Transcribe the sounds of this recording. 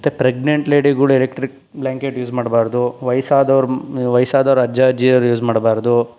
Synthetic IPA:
t̪ːepɾeɡɳeɳʈleːɖiɡɐɭuelekʈɾik̚ | blʲaːŋkeʈjuːd͡ʒmaːɽbaːɾd̪uʋɐjsaːd̪ɐʋɐɾuʋɐjsaːd̪ɐʋɾɐd͡ʒaːd͡ʒiːɐɾjuːd͡ʒmaːɽbaːɾd̪u

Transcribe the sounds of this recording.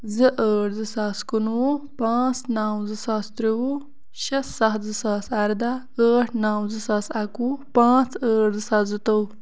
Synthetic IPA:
zɨʔəːɖzɨsaːskunwupãːt͡snaːwzɨsaːst̪ɾiwu | ɕɐsːaxzɨsaːsɐɾd̪a | əːʈʰnaːwzɨsaːsɐkupãːt͡səːɖzɨsaːzɨt̪ɐw

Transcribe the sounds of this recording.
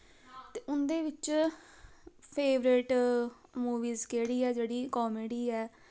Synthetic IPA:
t̪eːʊnd̪eːʋɪt͡ʃ | pʰeːʋɾɪʈ | muːʋiːzkeːɽiːɛːd͡ʒeːɽiːkɔːmeːɖiːɛː

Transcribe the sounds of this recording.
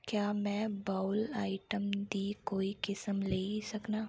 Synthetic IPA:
kjaːmɛ̃baːʊlaːɪʈəmd̪ikoːikɪsəmleːisɐknaː

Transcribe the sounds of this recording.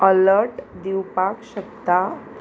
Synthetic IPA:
ələɾʈd̪iwpakɕəkt̪a

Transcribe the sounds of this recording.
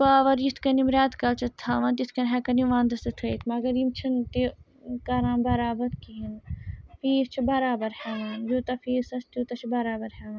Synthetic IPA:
paːʋɐɾjist̪ʰkɐnimɾaːt̪kɐlt͡ʃʰɐt̪ʰaːʋãːnt̪it̪ʰkɐnɦɛːkɐniʋãːnd̪ɐsɐt̪ʰɐt̪ʰmɐɡɐɾimt͡ʃʰint̪i | kɐɾãːnbɐɾaːbɐt̪kiɦinfiːst͡ʃʰibɐɾaːbɐɾhɛːʋaːnjut̪ɐfiːsɐst̪jut̪ɐt͡ʃʰibɐɾaːbɐɾhɛːʋaːn

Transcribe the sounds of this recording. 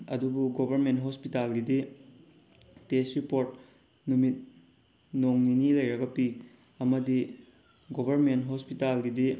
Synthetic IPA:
ɐdubuɡobʱɐɾmentɦospitalɡidi | tesɾipoɾt̚ | numit̚ | noŋninilɐjɾɐɡɐpi | ɐmɐdi | ɡobʱɐɾmentɦospitalɡidi

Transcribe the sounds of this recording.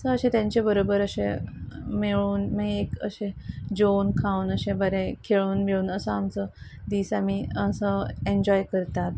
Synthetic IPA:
əsəəɕẽt̪jãɲt͡ɕebəɾobəɾəɕẽ | meɭuːnmaɡekə̰ɕẽd͡ʑonkʰãunəɕẽbəɾekʰeɭuːnmeɭuːnəsəamt͡sə | d̪iːsamiəsəeɲd͡ʑɔjkəɾt̪at̪

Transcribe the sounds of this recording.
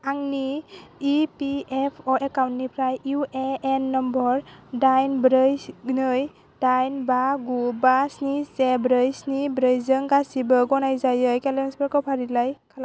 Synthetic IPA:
aŋniipiɛpʰɔʔɛkawntːipʰɾajueɛnːɔmbɔɹdajnbɾɯjnɯj | dajnbaɡubasnisɛbɾəjsnibɾəjzəŋkasibɔɡɔnajzajɯjkɛlɛnsbɛkɔpʰaɾilajkʰala

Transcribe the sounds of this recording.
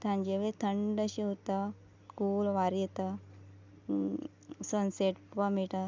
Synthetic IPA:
t̪ʰãɲd͡ʑeʋet̪ʰəɳɖəɕiɦot̪a | kulʋaɾjet̪a | sənseʈpamiʈa

